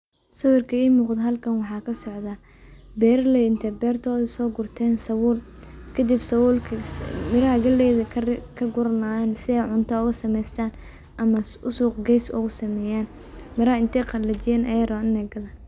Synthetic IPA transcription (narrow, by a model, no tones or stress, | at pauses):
sɐwɪrkʰɐiːmuːqd̪ɦɐlkʰɐnwɑħɑːkʰɐsɔʕða | bɛːrlɛɪnt̪ʰɛbɛːrt̪ʰɔːðɪsɔːɡʊrt̪ʰɛːnsɐwʊːl | kʰɐd̪ɪbsɐwʊːlkʰmɪɾɐɦɐɡɐlɛːðɐkʰɐɡʊɾɐnaːansɪɛjʕʊnt̪ʰɐʊɣɐsɐmɛjst̪ʰaːn | ʔɐmɐʊsuːqɡɛjsʊ̰ɣʊsɐmɛːjaːn | mɪɾɐhɐɪnt̪ʰɛjqɑlɐt͡ʃɪjɛːnʔɐjɐɾɔnɪnɛjɡɐlaː